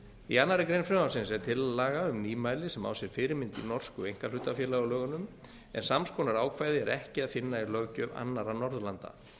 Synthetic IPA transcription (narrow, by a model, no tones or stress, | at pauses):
ianːaɾɪkɾejnfɾɛmasɪnsɛɾt̪ʰɪlːaːɣaʏmniːmaːjlɪsɛma̰ːwsjɛɾ̥fɪːɾɪmɪnt̪ḭnɔr̥skʏejŋ̥kaɾlʏːt̪afjɛːlaɣʏlœːɣʏnːʏm | ɛ̰nsamskɔːnaɾaːwkʰvaːjðɪɛɾɛhcɪaðfɪnːaiɾlœɣcœva̰nːaɾanɔɾðlant̪a̰